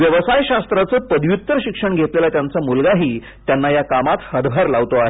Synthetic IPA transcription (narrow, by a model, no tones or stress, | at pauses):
ʋjəʋəsajɕast̪ɾat͡səpəd̪jut̪ːəɾɕikʂəɳɡʱet̪lelat̪jant͡samulɡaɦiː | t̪janːajakamat̪həd̪bʱaɾlaʋt̪oaɦe